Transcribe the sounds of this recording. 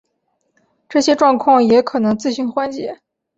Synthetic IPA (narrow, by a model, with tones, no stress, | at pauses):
ʈ͡ʂɤ˥˩ɕjɛ˥ʈ͡ʂwɑ˥˧ŋkʰwɑ˥˩ŋjɛ˧˥kʰɤ˨˩nɤ˧˥ŋt͡sɹ̩˥˧ɕy˥˩nxwa˥nt͡ɕjɛ̰˧˥